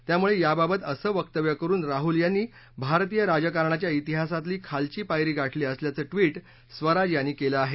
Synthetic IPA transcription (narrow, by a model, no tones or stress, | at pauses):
t̪jamuɭejababət̪əsəːʋəkt̪əʋjəkəɾuːnɾaɦuljanːiː | bʱaɾt̪ijəɾad͡zəkaɾɳat͡ɕjait̪iɦasat̪liːkʰalt͡ɕiːpajɾiːɡaʈʰliːəsljat͡səːʈʋiːʈ | sʋəɾad͡ʑjanːiːkeləaɦe